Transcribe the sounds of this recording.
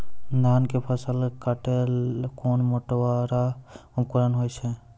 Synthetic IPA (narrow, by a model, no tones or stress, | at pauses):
nd̪ʱaːnkepʰəsəlkaʈelkoːnmoʈʋaɾaʊmkuɾənɦoːjt͡ʃʰe